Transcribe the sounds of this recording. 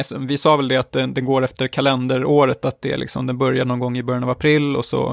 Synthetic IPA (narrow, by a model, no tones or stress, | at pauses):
ɛft̪əɔmvɪsɑːvɛld̪ɛat̪d̪ɛd̪ɛnɡoːɾɛft̪əɾkʰalɛnd̪əɾoːɾət̪at̪̚d̪ɛæ̰lʔɪ̰ksɔ̰md̪ɛnbœɾjaɳɔnɡɔŋːɪbœɾjanavapʰɾɪlːɔ̰sɔ̰